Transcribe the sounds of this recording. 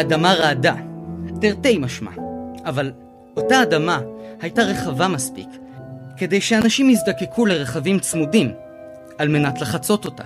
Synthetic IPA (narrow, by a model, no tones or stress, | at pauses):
adamaʁaːdateʁte̞jmaʃma̰aval | o̞taːdamahajtaʁe̞χavamaspḭkː | e̞de̞jʃeanaʃimhizdake̞kʰule̞ʁeχavimt͡smudim | alme̞natlaχat͡so̞to̞ta̰